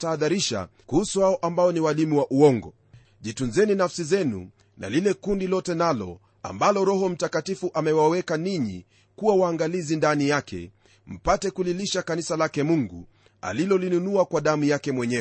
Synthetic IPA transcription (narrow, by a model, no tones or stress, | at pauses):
taːðaɾiʃa̰kuhusuhaɔʔambaɔniwalimuwaʔuɔŋɡɔ | ʄitunzɛninafsizɛnṵ | na̰lilɛkundilɔtɛnalɔ̰ | a̰mbalɔɾɔɦɔm̩takatifuʔamɛwawɛkaniɲḭ | kuwawaːŋɡalizindanijakʰɛ̰ | m̩patɛkuliliʃakanisalakɛmuŋɡṵ | a̰lilɔlinunuakwaɗamujakɛmwɛɲɛ